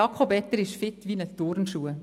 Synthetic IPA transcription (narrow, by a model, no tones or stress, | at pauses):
ɑkʰobɛt̪ːəɾɪʃfɪt̪ʋiːnət̪oːɾnʃuːə